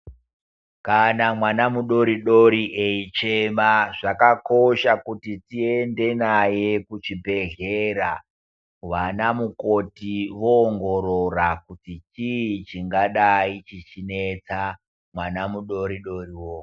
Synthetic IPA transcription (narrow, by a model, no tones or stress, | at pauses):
kanamwanamuɗo̞ɾiɗo̞ɾiʔeit͡ʃemaʐakako̞ʃakutitie̞nde̞naje̞kut͡ʃibʱe̞ɮe̞ɾa | ʋanamuko̞tiʋoːŋɡo̞ɾorakutit͡ʃit͡ʃiŋɡaɗait͡ʃit͡ʃine̞t͡sa | mwanamuɗo̞ɾiɗo̞riwoː